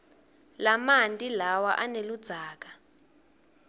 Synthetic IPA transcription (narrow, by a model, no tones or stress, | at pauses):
lamantʼilawaʔanelud̥z̥ʱaːk̬ḁ